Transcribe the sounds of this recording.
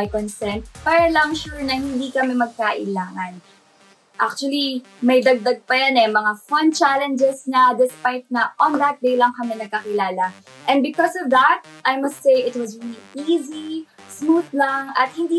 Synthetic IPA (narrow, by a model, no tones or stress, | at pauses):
jkɔnsɛnt̪̚paɾɐlɐŋʃuɹnɐhɪnd̪ikɐmɛmɐɡ̚kaʔɪlaːŋɐn | ʔak̚t͡ʃuɐli | mɐjd̪ɐɡ̚d̪aɡ̚pɐjanɛmɐŋafõnt͡ʃalɛ̃nd͡ʒɛsnɐd̪ɪspajt̪̚nɐʔɔ̃nðɐt̪̚d̪ejlɐŋkɐmɛnɐɡ̚kːɐkɪlaːlɐ | ʔɛ̃nd̪̚bɪkɔsɔvðɐt̪̚ʔajmɐst̪sejʔɪt̪̚wɐzɹiliʔizismuθlaŋɐ̰t̪̚hɪnd̪iː